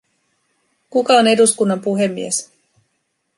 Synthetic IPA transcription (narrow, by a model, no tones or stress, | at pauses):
kukɑo̞ne̞duskunːɑmpuɦe̞mːḭes